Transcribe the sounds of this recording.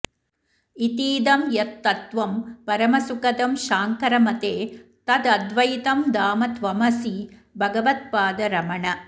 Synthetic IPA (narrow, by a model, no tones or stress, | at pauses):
it̪iːd̪ɐmjɐt̪ːɐt̪ʋɐmpɐɾɐmɐsukɐt̪ɐmʃaːŋkɐɾɐmɐt̪eːt̪ɐd̪ɐd̪ʋɐjit̪ɐmd̪aːmɐt̪ʋɐmɐsibʱɐɡɐʋɐt̪̚paːd̪ɐɾɐmɐɳɐ